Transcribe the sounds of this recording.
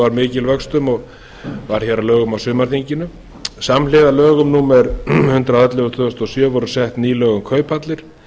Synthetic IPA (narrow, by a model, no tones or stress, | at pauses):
vaɾmɪːcɪlvœkst̪ʏmɔɣ | vaɾ̥çɛɾalœːɣʏmawsʏːmaɾ̥θiɲcɪnʏ | samlɪːðalœːɣʏmnuːmɛɾhʏnt̪ɾaðat̪lɪʏt̪ʰʏst̪ɔsjœːvɔɾʏ̥sɛht̪niːlœːɣʏmkʰœːɥpʰat̪lɪɾ̥